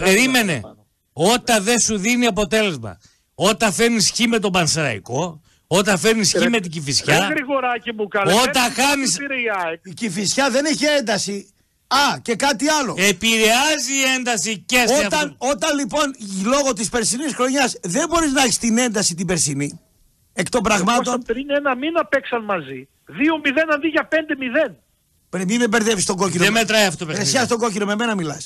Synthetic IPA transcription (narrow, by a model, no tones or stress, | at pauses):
peɾime̞nḛ | o̞t̪ɐðe̞nsuðiniɐpo̞t̪e̞le̞zmɐ̰ | o̞t̪ɐfe̞ɾnisçime̞t̪̬o̞bɐnsɾɐ̰ḭko̞ | ot̪ɐfe̞ɾnisçime̞t̪iɟifisçɐɣɾiɣoɾɐcimukɐo̞t̪ɐxɐnisɾicifisçɐðe̞neçie̞nd̪ɐsi | ɐce̞kɐt̪iɐlo̞̰epiɾeɐziːe̞nd̪ɐsicesot̪ɐno̞t̪ɐnlipo̞nlo̞ɣo̞t̪ispe̞ɾsinisxɾo̞ɲɐsðe̞mbo̞ɾiznɐɐçi̥st̪ine̞nd̪ɐsit̪ibe̞ɾsini | ekt̪o̞mbɾɐɣmɐtsopɾinenɐminɐpeksɐnmɐzi | ðiomiðenɐnðiʝɐpe̞nd̪e̞miðe̞n | pɾemimebeɾðevist̪o̞ɡo̞kinoemet̪ɾɐjɐfoopeɾeɾssçɐst̪o̞ɡo̞cino̞me̞me̞nɐmilɐs